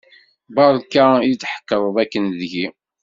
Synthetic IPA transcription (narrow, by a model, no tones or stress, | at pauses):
bɑɾˤkːajət͡sːħə̥kːəðˤðˤækːənðʝi